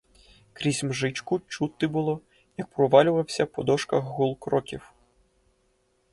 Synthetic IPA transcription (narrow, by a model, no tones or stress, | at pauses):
kɾʲizʲmʒɪt͡ʃkʊt͡ʃut̪ɪbʊlˠɔ | jɐk̚pɾɔʋɑlʲʊʋɐwsʲɐpɔd̪ɔʃkɐxːulˠkɾɔkʲiw